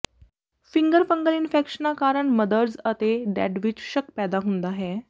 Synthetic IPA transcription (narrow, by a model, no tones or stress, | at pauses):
fiŋɡəɾfəŋɡəlinfekʂənakaɾəɳməd̪əɾd͡zət̪eɖæ̰ɖʋit͡ɕɕəkpɛd̪aɦund̪aɦe